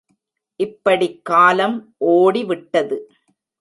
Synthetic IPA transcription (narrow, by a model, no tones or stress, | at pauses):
ʔɪpːɐɽikːaːlɐmʔoːɽiʋɪʈːɐðɯ